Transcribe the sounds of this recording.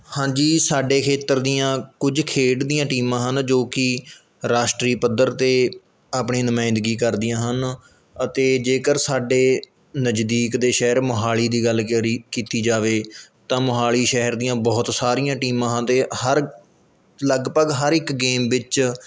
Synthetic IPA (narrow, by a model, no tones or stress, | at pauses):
hãːd͡ʒiːsaːɖeːkʰeːt̪ːəɾd̪ijãːkʊd͡ʒkʰeːʈd̪ijãːʈiːmãːɦənd͡ʒoːkɪ | ɾaːʃʈɾiːpəd̪əɾt̪eː | aːpɳiːnʊmãːɪ̃nd̪əɡiːkəɾd̪ɪjãːɦən | ət̪eːd͡ʒeːkəɾsaːɖeː | nəd͡ʒd̪iːkd̪eːʃɛɦɾməɦaːɭiːd̪iːɡəlkɾikiːt̪iːd͡ʒaːʋeːt̪ãːməɦaːliːʃɛɦəɾd̪ijãːbɔːt̪saːɾijãːʈiːmãːɦə̃nt̪eːhəɾ | ləɡpəɡɦəɾɪkɡeːmʋɪt͡ʃ